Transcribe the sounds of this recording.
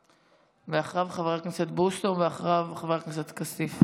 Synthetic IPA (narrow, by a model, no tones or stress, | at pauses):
veaχʁavχaveʁaknisat̪bust̪onveaχʁavχaveʁaknis̬at̪kasif